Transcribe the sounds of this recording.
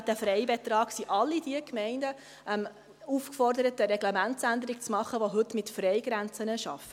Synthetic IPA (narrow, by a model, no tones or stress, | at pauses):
t̪əfɾɛɪbɛt̪rɑːksiʔɑlːid̥iəkmɛɪndə | ʔɛm | ufkfɔrd̪əɾətəɾɛɡ̥lɛmæntt͡sænd̪əɾikt͡smɑχːəʋoɦɵtmɪtfɾɛɪɡɾænt͡sənəʃɑ̰fə